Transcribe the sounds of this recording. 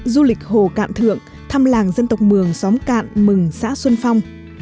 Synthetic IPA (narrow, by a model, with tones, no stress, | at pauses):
zu˧lï˨˩k̚ho˨˩ka̰ː˧˨nt̪ʰɨ̰˧˨əŋ | t̪ʰaː˧mlaː˨˩ŋzə˧nt̪ə˨˩wk͡p̚mɨ˨˩əŋsɔ˨˦mka̰ː˧˨nmɨ˨˩ŋsa̰ː˧˥swə˧nfa˧wŋ͡m